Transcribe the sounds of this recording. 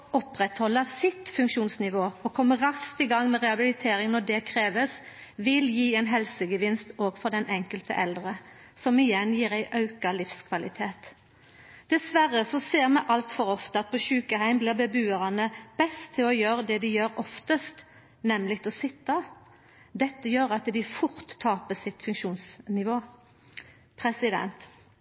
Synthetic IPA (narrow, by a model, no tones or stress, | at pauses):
ɔpʁɛt̪hɔlːəsɪt̪fʉŋkʃuːnsnɪʋoːɔkʰɔmːəɾɑskt̪ɪɡɑŋːmɛʁɛɑbɪlɪt̪ʰeːɾɪŋnɔd̪ɛkʰɾeːʋəsʋɪljiːɛɪnɦɛlsəɡəʋɪnst̪oːɡfɔɾd̪ɛnʔɛŋkəlt̪ə̰ʔɛld̪ʁə | sɔmɪjɛnːjiːɾæɪʔɑʉkɑlɪfskʰʋɑlɪt̪ʰeːt̪ | d̪̥ɛsʋæʁəsɔseːʁmɛʔɑlt̪fɔʁɔft̪əɑt̪̚pʰɔʃʉːkəhæɪmblɪːʁbəbʉːəʁɑnəb̥ɛst̪ʰːɪlɔjøːʁəd̪ɛd̪ɪjøːɾɔft̪əst̪ | nɛmlɪt̪ʰɔsɪt̪ːɑ | d̪ɛt̪ːəjøːɾɑt̪d̪ɪfʊɾt̪ʰːɑːpəsɪt̪fʉŋkʃuːnsnɪʋoː | pʰʁɛsɪd̪ɛ̰nt̪